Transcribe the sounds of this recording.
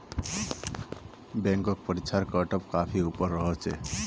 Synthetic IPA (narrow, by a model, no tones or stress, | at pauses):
bɛŋkɔk̚pɔɾit͡ʃʰaɾkəʈɔpkapʰiupɔɾːɔɦɔt͡ʃʰḛ